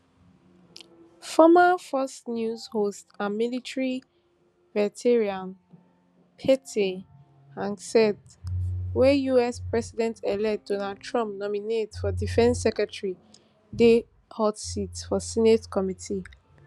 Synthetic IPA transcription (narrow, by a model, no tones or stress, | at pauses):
fɔmafɔsnjuzhostamilitʰɹi | vɛtʰeɹiãm | pʰɛtʰe | ãnsɛd | wɛjuɛspɹɛsidɛ̃ntʰɛlɛd̥ɔnad̚tʰɹɔ̃mp̚nɔminetfɔdifɛ̃nsːɛkɹɛtɹi | de | hɔtsitfɔsinetkʰɔmitʰi